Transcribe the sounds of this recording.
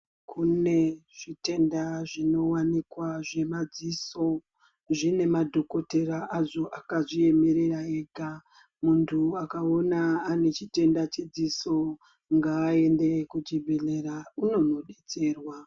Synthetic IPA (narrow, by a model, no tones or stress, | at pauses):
kʰune̞ʐ̥ite̞ndaʐino̞wanikwaʐe̞mad͡ziso̞ | ʐine̞madʱo̞ko̞te̞ɾaʔaʐo̞ʔakaʐie̞me̞ɾeraeːɡʱa | muntʰuakao̞naːne̞t͡ʃite̞ndat͡ʃid͡ziso̞ | ŋɡaːe̞nde̞kud͡ʒibʱeɮe̞ɾauno̞no̞ɗe̞t͡se̞ːrwa